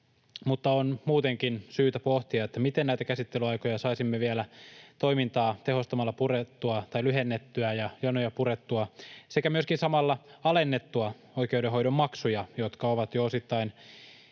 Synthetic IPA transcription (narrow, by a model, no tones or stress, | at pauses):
mut̪ːɑonmuːt̪eŋkinsyːt̪æpoht̪iɑet̪ːæmit̪ennæjt̪ækæsit̪ːelyɑjkojɑsɑisimːeʋielæt̪o̞imint̪ɑːt̪e̞ho̞st̪ɑmɑlːɑpuret̪ːuɑt̪ɑjlyɦenːet̪ːyæjɑjɑnːojɑpuret̪ːuɑsekæmyøskinsɑmɑlːɑɑle̞nːet̪ːuɑ | oikeudeɦo̞jdo̞mːɑksujɑjot̪kɑoʋɑt̪joosit̪ːɑin